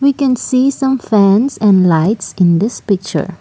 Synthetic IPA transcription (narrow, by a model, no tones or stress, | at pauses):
wikɛ̃nsisãmfɛ̃nsɛ̃nlaɪtsɪ̃nd̪ɪspɪk̚t͡ʃə̰ɹ